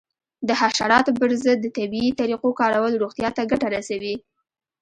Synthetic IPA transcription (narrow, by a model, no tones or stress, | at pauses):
d̪əhaʃaɾɑt̪opəɾzəd̪ːət̪abiit̪aɾiqokɑɾawəlɾuɣt̪jɑt̪aɡaʈaɾasawi